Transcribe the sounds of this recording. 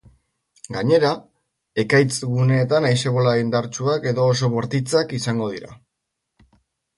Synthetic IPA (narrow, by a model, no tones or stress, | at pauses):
ɡaɲe̞ɾa | e̞kajt͡sɡune̞ːt̪anajse̞βo̞laind̪aɾt͡ʃuake̞ðo̞ːs̬o̞βo̞ɾt̪it͡sakisaŋɡo̞ð̞iɾa̰